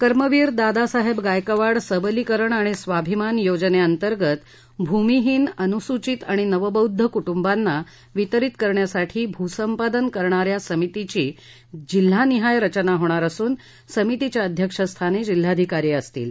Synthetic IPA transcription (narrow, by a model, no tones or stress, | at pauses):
kəɾməʋiːɾd̪ad̪asaɦebɡajkəʋaɽsəbəlikəɾəɳaɽ̃isʋabʱimanjod͡ʑneənt̪əɾɡət̪ | bʱumiɦiːnənusut͡ɕit̪aɽ̃inəʋəbəwd̪ʱːəkuʈumbanːa | ʋit̪əɾit̪kəɾɳjasaʈʰiːbʱusəmpad̪ənkəɾɳaɾjasəmit̪it͡ɕiː | d͡ʑilːaniɦajɾət͡ɕənaɦoɽ̃aɾəsuːn | səmit̪it͡ɕjaəd̪ʱjəkʂəst̪ʰaned͡ʑil̤ːad̪ʱikaɾiəst̪ḭːl